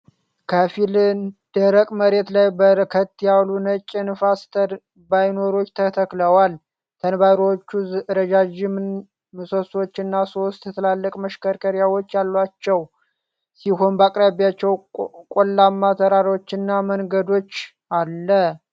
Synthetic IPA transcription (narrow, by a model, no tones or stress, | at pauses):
kʰəfilnd̪̥əɾəkʼməɾe̞t̪lajbəɾɨkʰət̪ːjalunət͡ʃʼɪnɨfast̪ | bajno̞ɾo̞t͡ʃːt̪ʰət̪ʰəkləwal | t̪ʰənbaɾwot͡ʃːuɾəd͡ʒad͡ʒɪm | mɨsoswo̞t͡ʃːɨnːaso̞st̪jɛt̪ʰɨlalːəkʼməʃkəɾkʰəɾjawot͡ʃːjalːwat͡ʃːɛw | sihonbakʼɾaβjat͡ʃːɛwkʼolːamːat̪ʰəɾaɾwot͡ʃːɪnːaməŋɡəd̪o̞t͡ʃː | alːə